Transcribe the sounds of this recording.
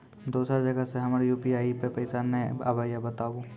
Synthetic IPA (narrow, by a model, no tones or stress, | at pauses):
d̪oːsɾad͡ʒəɡaseɦɐmaɾijuːpiaːipepəɪsanẽa̰baːjabət̪aːʋũː